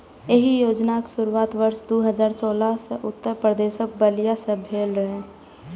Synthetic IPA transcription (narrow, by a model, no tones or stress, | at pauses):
eɦijoːd͡ʒnaksʊɾuaːt̪ʋəɾsd̪uɦəd͡ʒaːɾsɔːlaseʔʊt̪ːəɾpɾəd̪eʃək̚bəlijasə̃bʱeːlɾəɦe